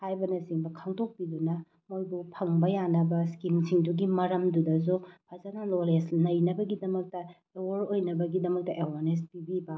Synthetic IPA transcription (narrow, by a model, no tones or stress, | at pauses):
hajbɐnɐsiŋbɐkʰaŋtʰok̚pidunɐ | mojbupʰɐŋbɐjanɐbɐskimsiŋduɡimɐɾɐmdudɐz̬upʰazanalolesnɐjnɐbɐɡidɐmɐk̚tɐ | ewoɾojnɐbɐɡidɐmɐk̚tɐʔewaɾnespibibɐ